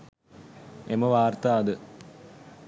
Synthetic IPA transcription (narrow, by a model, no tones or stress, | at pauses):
eməʋaːrt̪aːd̪ə